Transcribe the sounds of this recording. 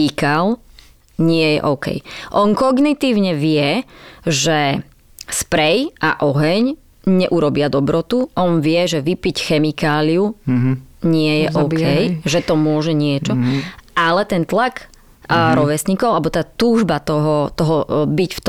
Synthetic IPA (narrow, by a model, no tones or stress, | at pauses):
ikal | ɲɪɛjɛ̰ʔɔʊkɛ̰jʔɔnkɔɡnit̪iːʊɲɛʋɪɛʒɛ | spɾɛjʔa̰ʔɔɦɛɲ | ɲɛʔuɾɔbɪad̪ɔbɾɔt̪uʔɔnʋɪɛʒɛʋipicxɛmikaːliu | ɲɪɛjɛʔɔkɛjʒɛt̪ɔmʊɔʒɛɲɪɛt͡ʃɔalɛt̪ɛnt̪lak | ɾɔʋɛsɲikɔʊabɔt̪aːt̪uːʒbat̪ɔɦɔt̪ɔɦɔbicft̪